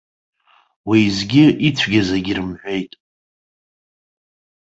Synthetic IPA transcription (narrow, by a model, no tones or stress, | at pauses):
wizɡʲɪʔit͡sʷʰɡʲazaɡʲirɨmħʷe̞jtʼ